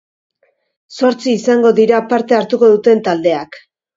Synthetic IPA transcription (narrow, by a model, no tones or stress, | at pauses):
so̞ɾt͡siːsaŋɡo̞ðiɾapaɾt̪e̞aɾt̪uko̞ðut̪e̞nt̪ald̪e̞ak